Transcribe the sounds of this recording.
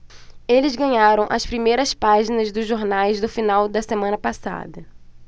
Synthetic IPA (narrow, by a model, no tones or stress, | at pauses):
elɪzɡɐ̃ɲaɾɐ̃w̃ʔɐspɾimejɾɐspaʒinɐzd̪ʊzːoɾnajzd̪ʊfinawd̪ɐsemɐ̃nɐpasa̰d̪ɐ